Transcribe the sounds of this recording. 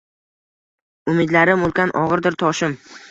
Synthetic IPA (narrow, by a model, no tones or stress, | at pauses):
ʊmɪd̪laɾɪmolˠkʲanʔɒʁɨɾd̪ɪɾt̪ʰɒʃɪm